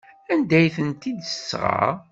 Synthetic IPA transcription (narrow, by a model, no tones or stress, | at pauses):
ænd̪æjθənt̪id̪əsːʁa̰